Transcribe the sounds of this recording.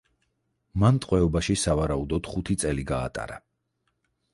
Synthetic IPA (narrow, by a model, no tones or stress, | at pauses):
mant̪ʼqʼwɛɔbaʃisavaɾaud̪ɔd̪̥χut̪ʰit̪sʼɛliɡa̰ːt̪ʼa̰ɾa